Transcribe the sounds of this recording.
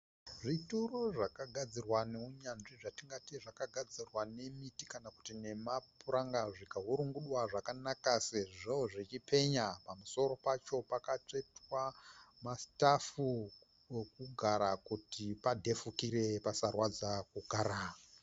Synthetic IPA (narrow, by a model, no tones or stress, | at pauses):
ʐituroʐakaɡʱad͡zirwaneuɲanʐiʐatiŋɡatiʐakaɡʱad͡zirwane̞mitikanaku̥tine̞mapuɾaŋɡaʐikaɦuɾuŋɡuɗwaʐakanakaseʐooʐit͡ʃipe̞ɲapamuso̞ɾo̞pat͡ʃo̞pakat͡ʂe̞twamastafu | ekuɡʱaɾakutipadʱe̞fukiɾe̞pasarwad͡zakuɡʱaːɾa